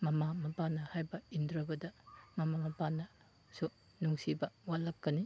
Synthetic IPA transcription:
mɐmamɐpanɐhajbɐindɾɐbɐdɐmɐmamɐpanɐ | su | nuŋsibɐwalːɐkːɐni

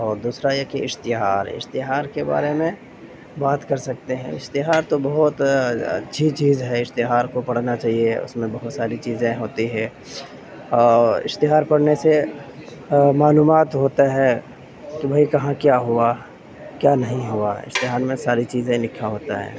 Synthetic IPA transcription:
ɔːɾd̪uːsɾajekiɪst̪ɪɦaːɾɪ̰st̪ɪɦaːɾkeba̰ːɾemẽ | baːt̪kɐɾsɐk̚t̪eɦɛ̰̃ɪ̰st̪ɪɦaːɾt̪obɐɦʊt̪ɐ̰tːʃʰit͡ʃiːzɦɛɪst̪ɪɦaːɾkopɐɽ̤nat͡ʃaːɦieʊ̰smẽbɐɦʊt̪saːɾit͡ʃiːzẽɦoːt̪iɦɛː | ɔːɾɪ̰st̪ɪɦaːɾpɐɽnese | maːluːmaːt̪ɦoːt̪aɦɛ | kibʱaikɐɦãkjaːɦʊa | kjaːnɐɦĩɦuaɪ̰st̪ɪɦaːɾmẽsaːɾit͡ʃiːzẽlɪkʰaɦoːt̪aɦɛ̰ː

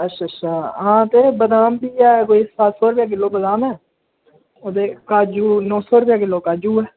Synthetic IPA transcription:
əʃʰəʃʰaːãːt̪eːbəd̪aːmbiːaːɛːkoːisaːlsɔːɾʊpjaːk̬ɪlːoːbəd̪aːmɛː | od̪eːkaːd͡ʒuːnɔ̃ːsɔːɾʊpjaːkɪlːoːkaːd͡ʒuːɛː

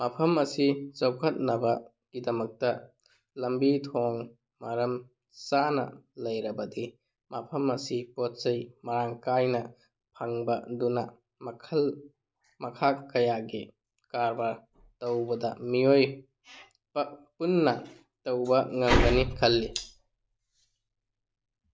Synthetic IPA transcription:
mɐpʰɐmɐsit͡ʃɐwkʰɐt̚nɐbɐ | ɡidɐmɐk̚tɐ | lɐmbitʰoŋ | mɐɾɐm | sanɐ̰lɐjɾɐbɐdi | mapʰɐmɐsipot̚sɐjmɐɾaŋkajnɐ | pʰaŋbɐdunɐ | mɐkʰl | mɐkʰakɐjaɡi | kaɾbaɾ | tɐwbɐdɐmioj | punːɐ | tɐwbɐŋɐŋɡɐnikʰɐlːi

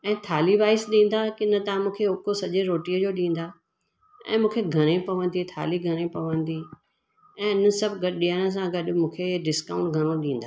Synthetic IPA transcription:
ɛ̃ːt̪ʰaːlibaːɪsɗĩːn̆d̪akɪnət̪ãmũːkʰeʊkosɐʄeɾoːʈiːəd͡ʑoːɗĩːn̆d̪aː | ɛ̰̃ːmũːkʰeɡʱɐɾ̃ẽpɐʋə̃nd̪it̪ʰa̰ːliɡʱɐɾ̃ẽpɐʋə̃nd̪i | ɛ̃ːɪnə̆sɐbʱɡɐɗɗijaːɽ̃ə̆s̬ãɡɐɗ̆mũːkʰeɖɪskãːʊ̃ɳʈɡʱɐɽ̃oɗĩːn̆d̪aː

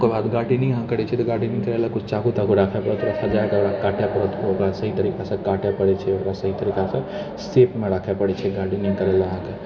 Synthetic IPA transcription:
kebaːd̪ɡaːʈinəɦĩɦãkəɾɛt͡ʃʰɛt̪ɔɡaːʈinəĩkəɾɛlakʊt͡ʃʰt͡ʃaɡut̪akoɾakʰɛpəɾɛt̪ɾasəd͡ʒaekeoɾakaːʈʰepəɾət̪kookɾasəɦit̪əɾikasẽkaʈʰɛpəɽɛt͡ʃʰɛokɾasəɦit̪əɾiːkasẽ | seːpmẽɾakʰepəɽɛt͡ʃʰɛɡaːʈinəĩkəɾɛlaəɦãke

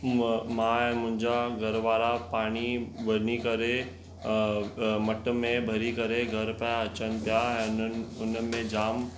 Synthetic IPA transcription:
mãːɛ̃mʊ̃ɦɪ̃ɲd͡ʑaɡʱɐɾʋaːɾapaːɽ̃iʋɐɾnikɐɾe | mɐʈ̆mẽbʱɐɾikɐɾeɡʱɐɾpɛɐt͡ɕənɪ̆t̪ijaɛ̃ʊnəmẽd͡ʑaːm

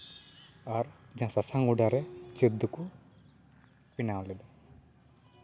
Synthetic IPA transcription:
aɾd͡ʒãsasaŋuɖaɾɛt͡ʃid̪ːuku | pinawlɛd̪ɔ

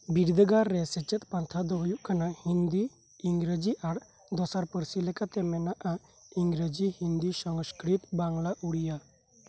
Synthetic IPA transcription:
biɾd̪ʱəɡaɾːɛsɛt͡ʃɛt̪̚pant̪ʰad̪ɔɦjuʔkʰanahind̪iː | ŋɡɾəd͡ʒiʔaɽ | d̪ɔsaɾpəɾsilɛkat̪ɛmɛnaʔa | iŋɡɾəd͡ʒihind̪isəŋskɾit̪baŋlaʔuɽija

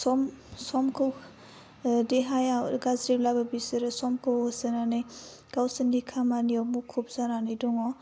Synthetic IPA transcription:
sɔmsɔmkʰɯw | deɦajaɡazɾiblabɯbisɯɾɯsɔmkʰɯwɔsɯnanɯj | ɡ̥awsɯnːikʰamaniɔwmukʰup̚z̥ananɯjdɔŋɔ

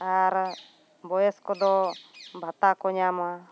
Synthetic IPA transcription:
aɾ | bɔjɛskɔd̪ɔbʱat̪akɔɲama

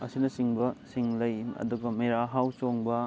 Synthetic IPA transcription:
ɐsinɐsiŋbɐsiŋlɐjɐ̰duɡɐmeɾaɦawt͡ʃoŋbɐ

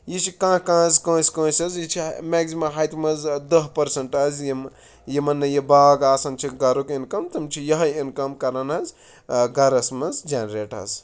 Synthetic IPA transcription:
jit͡ʃʰikãːkãːzkə̃ːskə̃ːsʲɐzjit͡ʃʰimeːksimɐlɦaːjt̪imɐzd̪ɐɦpɐɾsɐɳʈɐzjim | jemɐnːɐjibaːɡaːsɐnt͡ʃʰiɡɐɾokinkɐmt̪ɐmt͡ʃʰijɐɦenkɐmkɐɾɐnɐz | ɡɐɾɐsmɐnzd͡ʒanɾeːʈɐ̰z

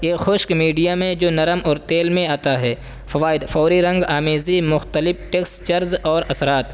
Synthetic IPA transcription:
eːxʊːʃkmiːɖijamẽd͡ʒoːnɐɾəmɔːɾt̪eːlmẽaːt̪aɦɛː | fɐʋaːɪd̪fɔːɾiɾɐ̃ŋɡaːmeːzimʊxt̪əlɪfʈeːkst͡ʃɐɾzɔːɾɐsɾaːt̪

